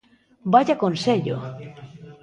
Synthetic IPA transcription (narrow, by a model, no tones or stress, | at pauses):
baʎakonseʎo̰